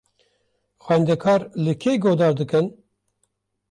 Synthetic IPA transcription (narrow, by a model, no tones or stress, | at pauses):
xwænd̪ɛkʰɑːɾlɨkʰeːɡoːd̪ɑːɾd̪ɨkɨn